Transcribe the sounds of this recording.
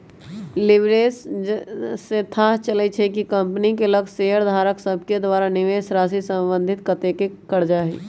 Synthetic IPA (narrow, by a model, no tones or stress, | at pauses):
lɪʋɾeːs | set̪ʰaːɦt͡ʃələt͡ʃʰɛkikə̃mpnikeləɡseːəɾd̪ʱaːɾəksəb̚ʱked̪ʋaːɾanɪʋeːʃɾaːsisə̃mbə̃nd̪ʱɪt̪kət̪ekekəɾd͡ʒaːɦiː